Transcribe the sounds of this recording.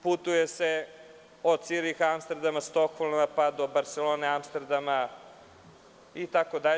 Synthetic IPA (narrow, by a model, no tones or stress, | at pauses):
put̪ujese | ot̪siɾixamst̪ɾd̪amast̪o̞kholˠmapad̪o̞baɾt̪seloneamst̪aɾd̪ama | it̪akod̪aʎ